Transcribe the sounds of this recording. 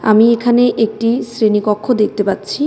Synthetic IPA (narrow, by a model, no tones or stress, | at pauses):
a̰miekʰaneʔek̚ʈisɾenikɔkʰːod̪ek̚t̪epat̪ːɕʰi